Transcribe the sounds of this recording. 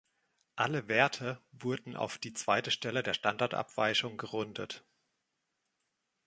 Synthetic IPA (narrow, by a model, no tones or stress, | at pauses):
ʔaləveːɐtʰəvʊɐdn̩ʔa̰ʊfd̥iːt͡sv̥aɪtəʃtɛlədeːɐʃtandaɐtʔa̰pv̥a̰ɪçʊŋɡəʁʊndət